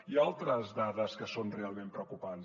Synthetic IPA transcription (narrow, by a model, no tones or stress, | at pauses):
ialˠt̪ɾəzðaðəskəsonrealˠmẽmpɾəwkupanz